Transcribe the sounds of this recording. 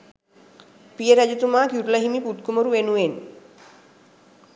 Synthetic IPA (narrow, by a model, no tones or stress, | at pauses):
pijeɾad͡ʑut̪umakjuɾlaɦimiput̪̚kumoɾuenuen